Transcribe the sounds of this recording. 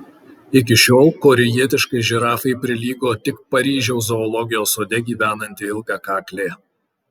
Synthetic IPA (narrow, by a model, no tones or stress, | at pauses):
ɪk̬ʲɪʃʲoːlˠkoːɾʲɪjiɛt̪ʲɪʃkɐɪʒʲɪɾɑːfɐɪpʲɾʲɪlʲiːɡoːt̪ʲɪkpɐɾʲiːʒʲɛʊzɔːlˠɔɡʲɪjoːsoːd̪ʲɛɡʲiːʋʲæːnɐnʲt̪ʲɪɪlˠɡɑkɑːklʲeː